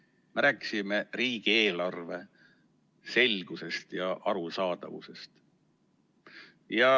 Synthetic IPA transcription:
meɾæːkːˑi̥sime̞riːɡ̥ie̞ːlɑrve̞ | se̞lʲɡ̥use̞st̪jɑʔɑɾusɑːd̪̥ɑ̰vṵse̞st̪ | jɑ

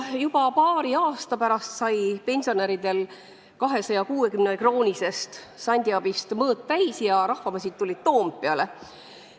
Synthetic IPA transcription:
jub̥ɑpɑːɾiɑːst̪ɑpæɾɑst̪sɑjpe̞nʲsio̞neɾid̪̥e̞l | kɑɦe̞sɑjɑkuːe̞kymnekroːnʲise̞st̪ | sɑnʲd̪̥ʲiɑb̥ist̪mɤːt̪̚t̪æjsjɑɾɑhvɑmɑs̬ʲit̪̚t̪ulʲid̪̥t̪o̞ːmppːeɑle̞

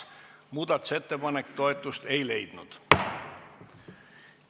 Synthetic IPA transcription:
muːd̪ɑt̪ːˑu̥se̞t̪ːe̞pɑnekt̪o̞e̞t̪ːˑust̪e̞jle̞jd̪̥nud̪̥

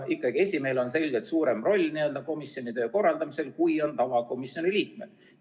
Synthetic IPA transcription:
ʔikːˑɑɡ̥ie̞sʲimeːlo̞nse̞lʲɡet̪suːɾe̞mro̞lʲːniø̞ld̪ɑko̞misjo̞nit̪ø̞ːko̞rːɑld̪̥ɑmise̞lkujo̞nt̪ɑvɑko̞misjo̞niliːk̚me̞d̪̥

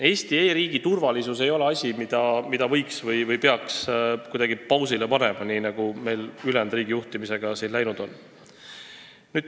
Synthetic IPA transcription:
e̞ːst̪ie̞ːɾiːɡ̥it̪urvɑlisuse̞jo̞le̞ɑsʲimid̪̥ɑmid̪ɑvɤjksvɤjvɤjpeɑkskujd̪̥ɑɡ̥ipɑwsilepɑnemɑninɑɡ̥ume̞jlylend̪riːɡ̥ijuht̪imise̞ɡ̥ɑsinlæjnud̪̥o̞n | nyːd̪̥

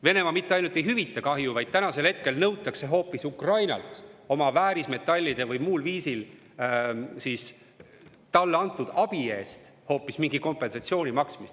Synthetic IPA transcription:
ve̞ne̞mɑmit̪ːeɑjnult̪ejɦyvit̪ːˑɑkɑɦjuvɑjd̪̥̚t̪ːænɑse̞lhe̞t̪̚ke̞lnɤwt̪ːˑɑkse̞ɦo̞ːpːˑisukrɑjnɑ̰lt̪o̞mɑvæːɾisme̞t̪ːˑɑlʲːid̪̥e̞vɯjmuːlviːsil | siːs | t̪ɑlːeɑnt̪ːˑud̪̥ɑb̥ie̞ːst̪ho̞ːpːˑismiŋɡiko̞mpˑe̞nsɑt̪sio̞ːnimɑksmist̪

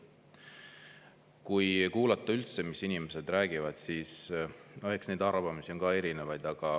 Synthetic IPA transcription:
kujkuːlɑt̪ːˑɑylt̪se̞misinime̞se̞d̪̥ræːɡ̥ivɑd̪̥siːsoeksne̞jd̪ɑrvɑmisio̞nɡ̥kɑːe̞ɾine̞vɑjd̪̥ɑɡ̥ɑ

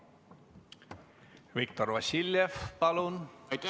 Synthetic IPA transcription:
vik̚t̪ɔɾvasiljɛfpalun

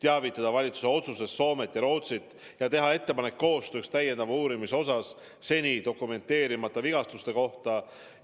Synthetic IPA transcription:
t̪eɑvit̪ːˑɑd̪̥ɑvɑlʲit̪suse̞o̞t̪suse̞sːo̞ːme̞t̪ːjɑɾo̞ːt̪sit̪ːˑ | jɑt̪e̞ɦɑe̞t̪ːe̞pɑne̞kːo̞ːst̪økst̪æjend̪ɑvuːɾimiso̞s̬ɑsː | e̞nʲid̪o̞kːˑume̞nt̪ːˑe̞ːɾimɑt̪ːˑɑviɡ̥ɑst̪ust̪e̞ko̞ht̪ɑ

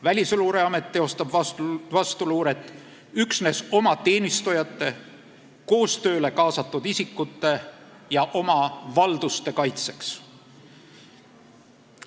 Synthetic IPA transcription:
vælʲisluːɾeɑme̞t̪ːeo̞st̪ɑb̥vɑst̪uluːɾe̞t̪ːˑ | yksne̞so̞mɑt̪e̞ːnist̪ujɑt̪ːˑe̞ | ko̞ːst̪ø̞ːle̞kɑːsɑt̪ːˑud̪isikːˑut̪ːˑe̞ | jɑʔo̞mɑvɑld̪̥ust̪e̞kɑjt̪se̞ks

